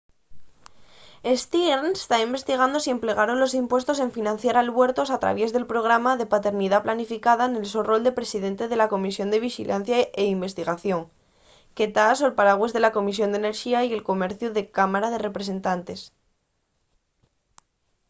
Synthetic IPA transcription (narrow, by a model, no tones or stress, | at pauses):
est̪ieɾne̥st̪aimbe̞st̪iɣ̞and̪o̞sie̞mple̞ɣ̞aɾo̞nlo̞simpwe̞st̪o̞se̞ɱfinãn̟θjaɾalβwe̞ɾt̪o̞sat̪ɾa̰βje̞zðe̞lpɾo̞ɣ̞ɾamaðe̞pat̪e̞ɾniðaplanifikaðaene̞lsoro̞ld̪e̞pɾe̞siðe̞nt̪e̞ð̞e̞lako̞misjo̞nd̪e̞β̞ixḭlʔanθjaeimbe̞st̪iɣaθjo̞ŋ | ke̞t̪aso̞elpaɾaɣwe̞zðe̞lako̞mis̬jo̞nd̪ene̞ɾxiaie̞lko̞me̞ɾθjuðe̞kamaɾað̞e̞re̞pɾe̞se̞nt̪ant̪e̞s